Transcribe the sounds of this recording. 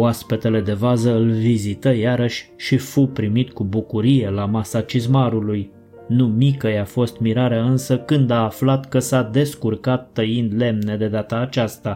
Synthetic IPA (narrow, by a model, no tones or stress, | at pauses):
uaspet̪e̞le̞d̪e̞vazəɨlvizit̪əjaɾəʃʲʃifupɾimit̪kubukuɾije̞lamasat͡ʃizmaɾuluj | numikəjafo̞st̪miɾaɾeaɨnsəkɨnd̪aːflat̪kəsad̪e̞skurkat̪ːəind̪le̞mne̞d̪e̞d̪at̪aːt͡ʃast̪a